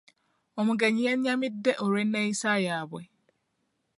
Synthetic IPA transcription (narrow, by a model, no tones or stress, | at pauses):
ɔmʊ̃ɡɛɲĩɛnɲãmɪ̃dɛʔoɾenɛ̃isajabwɛ